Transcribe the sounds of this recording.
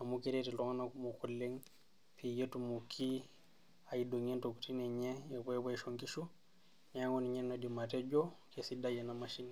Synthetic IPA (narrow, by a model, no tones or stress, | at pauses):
amukiɾetilɔŋanakumukulːeŋ | pʰijetumukʰi | ajidoŋɛntoku̥tinɛɲɛɛbɔɛbɔɛʃoŋkiʃu | nɛaŋɔniɲɛnodimatɛd͡ʒɔkesidajɛnamaʃini